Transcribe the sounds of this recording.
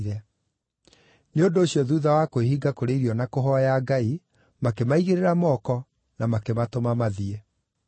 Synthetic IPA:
ɾɛ | neondoːɕjɔðuðawakoeɦiɡakoɾeiɾiɔnakoɦɔjaɡai | makemaiɣeɾeɾamɔkɔ | namakematomamaðie

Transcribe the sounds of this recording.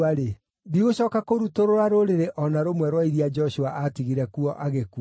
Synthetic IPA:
aɾe | diɣoɕɔːkakoɾutoɾoɾaɾoɾeɾeʔɔnaɾomwɛɾwaiɾiad͡ʒɔɕuaʔatiɣiɾɛkuɔʔaɣeku

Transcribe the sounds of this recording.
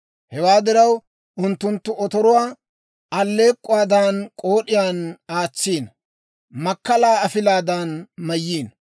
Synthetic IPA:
hɛwaːd̪ɪɾɐw | ʊnt̪ːʊnt̪ːʊʔɔt̪ɔɾʊwaː | ʔɐlːe̞ːkʼːʊwaːd̪ankʼo̞ːɗɪjaːnaːt͡sːiːn | mɐkːɐlaːɐfɪlaːd̪anmɐjːiːn

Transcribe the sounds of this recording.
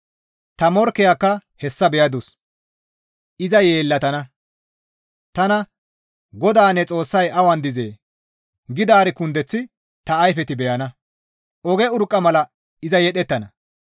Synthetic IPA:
t̪ɐmɔɾkːɪjakːɐhɛsːɐbɛjɐd̪ʊs | ɪzɐje̞ːlːɐt̪ɐnɐ | t̪ɐnɐ | ɡɔd̪aːnːɛt͡sʼo̞ːsːɐjɐwɐnd̪ɪzḛː | ɡɪd̪aːɾɪkʊnd̪ɛt͡sːɪ | t̪ɐːjfɛt̪ɪbɛjɐnɐ | ʔɔɡɛʊɾkʼːɐmɐlɐ | ɪzɐjɛɗɛt̪ːɐnɐ

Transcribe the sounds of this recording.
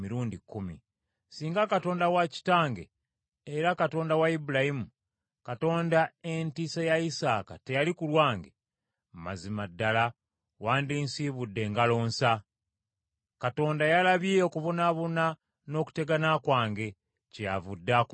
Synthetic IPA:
miɾuːndikːumḭ | siːŋɡakato̞ːndawaci̥taːŋɡe̞̰ː | ɾakato̞ːndawaibulahimu | kato̞ːndaentisajaisaːka̰te̞jalikulwaːŋɡe | mmazimadːala | waːndiːnsiβudːe̞ːŋɡalo̞ːnsa | kato̞ːndajalaβiokuvunaβuna | no̞ːku̥te̞ɡanakwaːŋɡe̞ | cejavudːak

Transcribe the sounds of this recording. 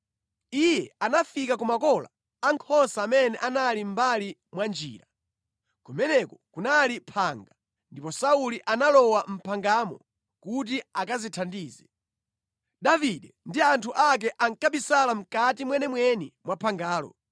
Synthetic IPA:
ijɛanafikakumakɔla̰ | aŋkʰɔnsaːmɛnɛʔanalim̩balimwand͡ʒḭːɾa | kumɛnɛkɔkunalipʰaːŋɡa | ndipɔsauliʔanalɔwam̩pʰaŋɡamɔ | kut̬iakazitʰandiːzɛ | ɗaviɗɛndiantʰuʔak̬ɛʔaŋkapisalam̩katimwɛnɛmwɛnimwapʰaŋɡaːlɔ̰

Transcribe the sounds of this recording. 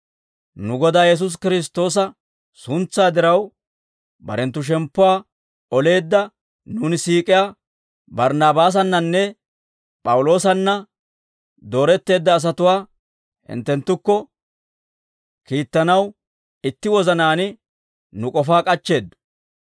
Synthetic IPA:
nʊɡɔd̪aːjɛs̬ʊs̬kɪɾɪs̬t̪ːo̞ːs̬ɐ | sʊnt͡sːaːd̪ɪɾɐw | bɐ̰ɾɛnt̪ːʊʃ̬ɛmpːʊwaː | ɔle̞ːd̪ːɐ | nuːnɪsiːkʼɪjaː | bɐɾnaːbaːs̬ɐnːɐnːɛ | pʼɐwʊlo̞ːsɐnːɐ | d̪o̞ːɾɛt̪ːe̞ːd̪ːɐːs̬ɐt̪ʊwaː | hɪ̰nt̪ːɛnt̪ːʊkːɔ | kiːt̪ːɐnɐw | ɪt̪ːɪwɔzɐnaːnɪ | nʊkʼɔfaːkʼɐt͡ʃːe̞ːd̪ːʊ̥

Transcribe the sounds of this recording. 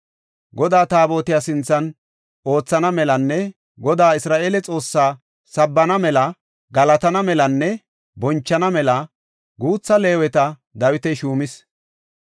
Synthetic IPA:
ɡɔd̪aːt̪aːbo̞ːt̪ɪjaːsɪnt͡sːɐn | o̞ːt͡sːɐnɐmɛlɐnːɛ | ɡɔd̪aːɪsɾaːʔeːlɛt͡sʼo̞ːsːaː | sɐbːɐnɐmɛlɐ | ɡɐlɐt̪ɐnɐmɛlɐnːɛ | bɔnt͡ʃːɐnɐmɛlɐ | ɡuːt͡sːɐle̞ːwɛt̪ɐ | d̪ɐwɪt̪ɛʃuːmɪs

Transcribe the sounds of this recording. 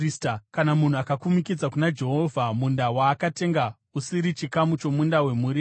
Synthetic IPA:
stakanamun̤uakakumikid͡zakunad͡ʒe̞ɦo̞vʱamundawaːkate̞ŋɡa | usiɾit͡ʃikamut͡ʃo̞mundawe̞muːɾi

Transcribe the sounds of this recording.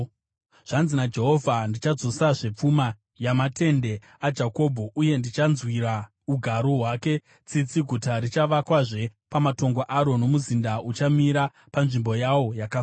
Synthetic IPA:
ʐ̥anzinad͡ʒe̞ɦo̞vʱandit͡ʃad͡zo̞saʐep͡fuma | jamatʰe̞nde̞ | ad͡ʒako̞ːbʱo̞ʔuje̞ndit͡ʃanzwiɾa | uɡʱaɾoɦwake̞ | t͡sit͡siɡʱutaɾit͡ʃaʋakwaʐe̞pamato̞ŋɡoʔaɾo̞no̞muzindaut͡ʃamiɾa | panʐimbo̞jawo̞jaka

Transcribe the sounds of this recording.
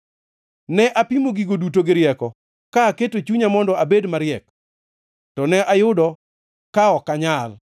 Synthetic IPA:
nɛʔapimoɡiɡodutoɡɪɾɪjɛkɔ | kaketot͡ʃuɲamɔndɔabedmaɾɪɛk | tɔnɛʔajʊdɔ | kaɔkaɲal

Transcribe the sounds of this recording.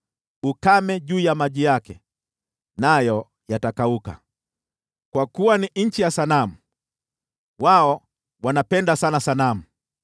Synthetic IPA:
ukamɛʄuːjamaʄijakɛ | najɔ | jatakauka̰ | kwakuwaniɲ̩t͡ʃijasanamu | waɔ | wanapɛndasanasanamu

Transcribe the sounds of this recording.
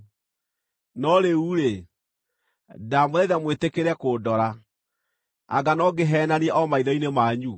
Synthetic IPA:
nɔɾeuɾe | damoɛðamwetekeɾɛkodɔɾa | a̰ɡanɔɡeɦɛːnaniɛʔɔmaiðɔinemaːɲu

